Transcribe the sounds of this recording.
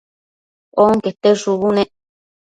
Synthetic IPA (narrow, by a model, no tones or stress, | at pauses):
oŋket̪eʂuβunẽʔ